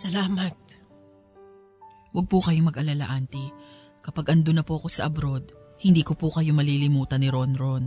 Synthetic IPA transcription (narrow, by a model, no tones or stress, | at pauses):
sɐlaːmɐt̪̚ | wɐɡ̚pukɐjoŋmɐɡʔɐlalɐʔant̪ɛ | kɐpaɡʔɐnd̪onɐpoɐko̞sɐʔɐbɾo̞d̪̚hɪnd̪iːkopukɐjomɐlilɪmuːt̪ɐnːɪɾonɾon